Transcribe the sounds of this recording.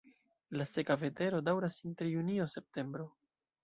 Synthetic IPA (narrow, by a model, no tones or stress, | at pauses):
lase̞kave̞te̞ɾo̞dawɾasinte̞ɾjunio̞se̞p̚te̞mbɾo